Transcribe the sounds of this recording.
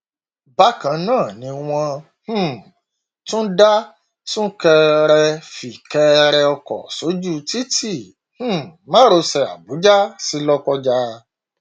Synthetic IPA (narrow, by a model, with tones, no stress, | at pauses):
ba˦kã˧nãː˦˨nĩ˧w̃ɔ̃˧ | h̩˦˨ | tũ˦da˦ | tũ˦kɛ˧ɾɛ˧fi˨kɛ˧ɾɛ˧ɔ˧kɔ̰˨so˨˦d͡ʒu˦ti˦ti˦˨ | h̩˦˨mã˦ɾo˧sɛ˧a̰˨bu˨˦d͡ʒa˦si˦lɔ˦kɔ˦d͡ʒa˧